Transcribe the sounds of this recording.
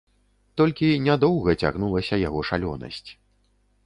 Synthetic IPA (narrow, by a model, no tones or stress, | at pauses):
t̪ɔlʲkʲinʲad̪ɔwɣɐt͡sʲa̰ɣnulˠɐsʲɐjaɣɔʂalʲɔ̰nɐ̰sʲt͡sʲ